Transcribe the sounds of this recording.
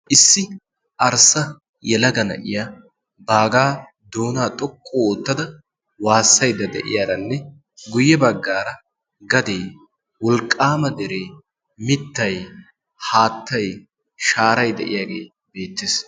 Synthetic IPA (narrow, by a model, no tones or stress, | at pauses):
ʔɪsːɪ | ʔɐɾsɐ | jɛlɐɡɐnɐ̰ʔɪ̰jaː | baːɡaː | d̪oːnaːt̪ʼɔkʼːoːt̪ːɐd̪ɐ | waːsːɐjd̪ɐd̪ɛ̰ʔɪ̰jaːɾɐnːɛ | ɡʊjːɛbɐɡːaːɾɐ | ɡɐd̪eː | wɔlkʼːaːmɐd̪ɛɾeː | mɪt̪ːɐj | haːt̪ːɐj | ʃaːɾɐjd̪ɛ̰ʔɪ̰jaːɡe̞̰ː | be̞ːt̪ːeːs